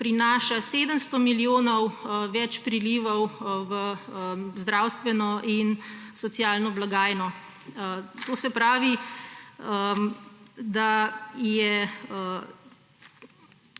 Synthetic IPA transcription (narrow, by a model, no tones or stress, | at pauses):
pɾinaːʃaseːd̪əmst̪ɔmilioːnɔwʋɛt͡ʃpɾiliʋɔwʋə | zd̪ɾawst̪ʋɛnɔʔinsɔt̪sjaːlnɔblaɡaːjnɔ | t̪oːsɛpɾaːʋi | d̪ajɛ